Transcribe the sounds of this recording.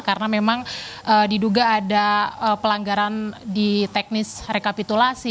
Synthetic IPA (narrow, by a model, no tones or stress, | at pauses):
kaɾənamemaŋʔədiduɡaːdaəpəlaŋɡaɾandit̪ɛk̚nɪsrekapit̪ulasi